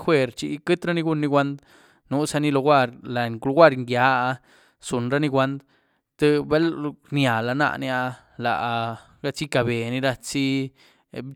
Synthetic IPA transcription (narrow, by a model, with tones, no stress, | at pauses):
xwe˦ɾt͡ʃḭ˧kɨ˦t̪ɾa˦ni˧ɡu˧nːi˧ɡʷa˦nd̪ | nu˦sa˧ni˦lo˧ɡʷa˦˧ɾla˨klo˧˦ɡʷa˦ɾŋɡja˨˦a˧ | su˨nɾa˦ni˧ɡʷa˦nd̪ | t̪ɨ˦be˦lnja˨la˧na̰˦˧ʔni˧a˧ | la̰˨ʔ | ɡa˧t͡si˦ka˨be˨ni˧ɾa˧t͡si˦